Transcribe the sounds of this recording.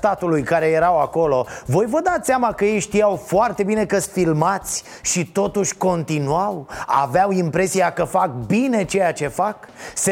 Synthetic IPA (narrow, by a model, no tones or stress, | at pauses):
t̪at̪ulujkaɾe̞je̞ɾawako̞lo̞vo̞jvəd̪at̪sʲamakəje̞jʃt̪iawfoart̪e̞bine̞kəsfilmat̪sʲ | ʃit̪o̞t̪uʃʲko̞nt̪inuawa̰veawimpɾe̞siakəfak̚bine̞t͡ʃe̞jat͡ʃe̞fakse